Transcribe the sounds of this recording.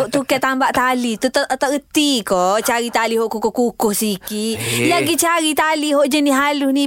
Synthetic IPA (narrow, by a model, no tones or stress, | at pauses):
ɔʔt̪ukat̪ambaʔt̪alit̪ut̪t̪aət̪ikot͡ʃaɾit̪aliɦɔʔkukɔkukɔhsikilaɡit͡ʃaɾit̪aliɦɔʔd͡ʒəniɦalusni